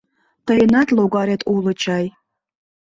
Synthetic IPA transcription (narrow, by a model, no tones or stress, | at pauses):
t̪əjənɑt̪loɣɑɾet̪ulət͡ɕɑj